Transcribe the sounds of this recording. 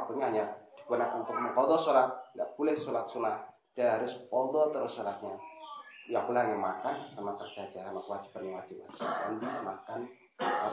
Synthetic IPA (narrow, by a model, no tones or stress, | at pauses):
p̪uɲaɲad̥ikuanaʔant̪ʊk̚məŋkɔd̪ɔsolat̪̚ɡaʔpulɛhsolat̪̚sunah | d̥aɦaɾʊspɔd̪ɔt̪əɾɔsolat̪̚ɲa | jaŋpulahajamakansamapərd͡ʒad͡ʒasamakwad͡ʒi̥panaŋwad͡ʒɪp̚ard͡ʒakandiamakan | a